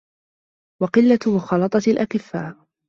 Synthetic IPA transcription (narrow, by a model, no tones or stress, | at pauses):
wɑqɪlːamʊxɑlɑt̪ˤɑalʔakɪfːaː